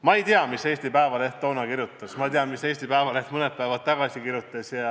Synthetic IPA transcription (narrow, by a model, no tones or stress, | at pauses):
mɑejt̪iɑmise̞ːst̪ipæevɑle̞ht̪ːownɑkirjut̪ːˑɑsmɑt̪iɑmise̞ːst̪ipæevɑleht̪mɤnet̪̚pæevɑd̪̥̚t̪ːɑɡ̥ɑsʲikirjut̪ːˑɑsjɑ